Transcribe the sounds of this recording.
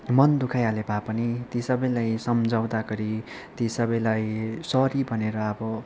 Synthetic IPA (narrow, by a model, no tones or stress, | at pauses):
mʌnd̪ukʰajalebapʌnit̪isʌbʌjlajsʌmd͡zʱʌwd̪aɡʌɾi | t̪isʌbʌjlajsʌɾibʱʌneɾʌːbʌ